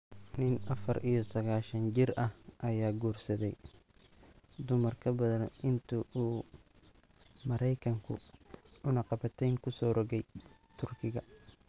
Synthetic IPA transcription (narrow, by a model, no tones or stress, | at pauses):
nɪnʔɐfɐɾʔijɔsɐɣaːʃɐnd͡ʒɪɾʔɐhʔɐjaːɡuːrsɐðɛj | d̪ʊmɐrkʰɐbɐðɐnɪnt̪ʰuʔuː | mɐɾɛjkʰɐŋkʰʊ̰ʊnɐqɑbɐt̪ʰɛŋkʰʊsɔːɾɔɣɛj | t̪ʰʊrkʰɪɣɐ